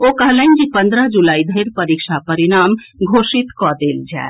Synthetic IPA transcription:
okəɦlənd͡ʒipə̃nd̪ɾəɦd͡ʒulaːid̪ʱeɾpəɾikʃapəɾinaːm | ɡʱoʃit̪kɔd̪eːld͡ʒa̰e

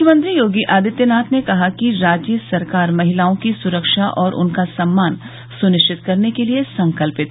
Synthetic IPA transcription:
ʊkʰjəmə̃nt̪ɾijoːɡiʔaːd̪ɪt̪jənaːt̪ʰnekɐɦakiɾaːd͡ʒjəsɐɾkaːɾmɐɦɪlaːõkisʊɾəkʃaʔɔːɾʔʊ̰nkasɐmːaːn | sʊnɪʃt͡ʃɪt̪kɐɾnekeliesɐ̃ŋkəlpɪt̪ː

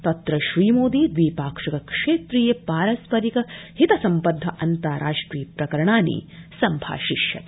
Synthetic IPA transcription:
t̪ɐt̪ɾɐʃɾiːmoːd̪iːd̪ʋiːpaːkʂɐkɐkʂeːt̪ɾiːjɐpaːɾɐspɐɾikɐhit̪ɐsɐmpɐd̪ʱːɐʔɐnt̪aːɾʔaːʂʈɾiːpɾɐkɐɾɐɳaːnḭːsɐmbʱa̰ːʃiʃjɐ̰t̪

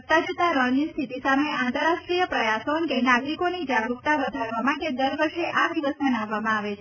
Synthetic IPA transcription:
k̚t̪ad͡ʒut̪aɾɔnist̪ʰit̪isameãnt̪əɾaʃʈɾijəpɾəjasonkenaɡɾikonid͡ʒaɡuk̚t̪aʋəd̪ʱaɾʋamãked̪əɾʋəɾʃeʔad̪iʋəsənaʋːamãaʋet͡ʃʰ

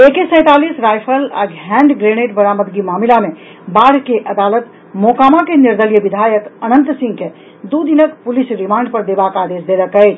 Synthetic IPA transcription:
ekesə̃ɪ̃t̪alisɾajpʰəla̰ɡʱɛ̃ɳɖɡɾeneʈbəɾaməd̪ɡimaːmilame | baɽ̤keʔəd̪alət̪ | mokamakeniɾd̪əlijəbid̪ʱajəkənənt̪sĩŋɡke | d̪ud̪inəkpulisɾimãːɳɖpəɾd̪ebakaːd̪esd̪eləkəjt͡ʃʰ

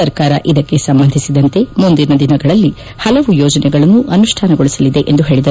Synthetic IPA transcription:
ɐɾkaːɾɐʔid̪ɐkːe̞sɐmbɐnd̪ʱisid̪ɐnt̪e̞mund̪iɾnɐd̪inɐɡɐɭɐlːi | hɐlɐʋujɔːd͡ʒɐnɛɡɐɭɐnːuʔɐnuʂʈʰaːnɐɡoɭisɐlid̪e̞ʔend̪uɦe̞ːɭid̪ɐ

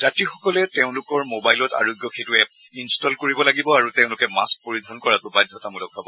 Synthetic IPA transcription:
zatixɔkɔlɛteʊ̃lʊkɔɹmobajlɔta̰ɹojɡjɔxʰetuɛinstɔlkoɹibɔlaɡibɔaɹuteʊ̃lʊkɛma̰sk̚poɹid̪ʱɔnkɔɹatʊbajdʱːɔtamulɔk̚bʱabɔ

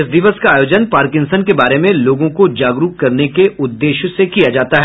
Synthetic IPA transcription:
ɪsd̪ɪʋəskaaːjoːd͡ʒənpaːɾkɪ̃ŋsənkebaːɾemẽloːɡõkod͡ʒaːɡɾukkːɐɾnekeʊd̪ːeːʃsekijad͡ʒaːt̪aɦɛː

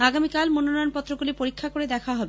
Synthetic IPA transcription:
aɡamikalmononɔjonpɔt̪ːɾoɡulipoɾikʰːakoɾed̪ɛkʰaɦɔbe

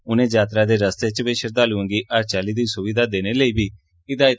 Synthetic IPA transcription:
ʊnẽːd͡ʒaːt̪ɾaːd̪eːɾəst̪eːt͡ʃbeːʃəɾd̪aːluə̃ŋɡiːʔəɾt͡ʃaːliːd̪iːsʊʋiːd̪aːd̪eːneːləiːbʱiː | ɪd̪aːjɪt̪

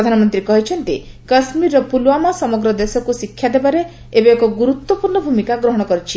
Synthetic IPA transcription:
ɔd̪ʱanɔmɔnt̪ɾikɔɦit͡ʃʰɔnt̪ikɐsmiɾɔpulwamasɔmɔɡɾɔd̪esɔkusikʰːjad̪ebaɾe | ebeːkɔɡuɾut̪wɔpuɾɳɔbʱumikaɡɾɔɦɔɽ̃ɔkɔɾit͡ʃʰi

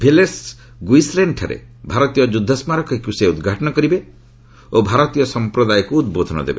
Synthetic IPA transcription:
bʱeles | ɡwisleɳɖʈʰa̰ɾḛ | bʱaɾɔt̪ijɔd͡ʒud̪ʱːɔsmaɾɔkɔikuseud̪ɡʱaʈɔnɔkɔɾibe | obʱaɾɔt̪ijɔsɔmpɾɔd̪ajɔkuːd̪̚bod̪ʱɔnɔ̰d̪ḛbe

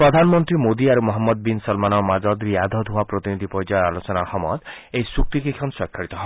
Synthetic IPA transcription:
pɾɔd̪ʱanɔmɔnt̪ɾimod̪iaɾumɔɦɔmːɔd̪̚binsɔlmanɔmad͡ʒɔd̪ɾiad̪ʱɔd̪ʱuapɾɔt̪inid̪ʱipɔɾjd͡ʒɔjalot͡ʃɔnahɔmɔ̰d̪ | eisuk̚t̪ikekʰɔnswɔkʰːaɽit̪ɔɦɔ

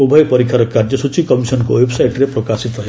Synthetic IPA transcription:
ubʱəjpɐɾikʰaɾɔkːaɾd͡ʒjəsut͡ʃikɔmisənkoʋebsajʈɾepɾɔkaːsit̪ɾɐɦe

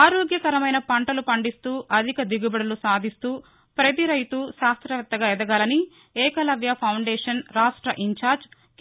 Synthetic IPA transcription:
aːɾoːɡjɐkɐɾɐmɐjnɐpɐɳʈɐlupɐɳɖist̪uːʔɐd̪ʱikɐd̪iɡubɐɽɐlusaːd̪ʱist̪uː | pɾɐt̪̬iɾɐjt̪uʃaːst̪ɾɐʋɐt̚t̪ːɐɡaːɛd̪ɐɡaːlɐni | ɛːkɐlɐʋjɐpʰɐwɳɖɛːʂɐnɾaːʂʈɾɐʔiɲt͡ʃaːɾd͡ʒ

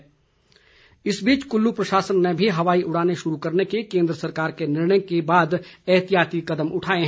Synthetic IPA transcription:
ɪsbiːt͡ʃkʊlːupɾɐʃaːsənːebʱiɦɐʋaːiʔʊɽ̤aːneʃʊɾukɐɾnekekẽːnd̪ɾəsɐɾkaːɾkenɪɾɳəjkebaːd̪ɛːt̪ijaːt̪ikɐd̪əmʔʊʈʰaːeɦ

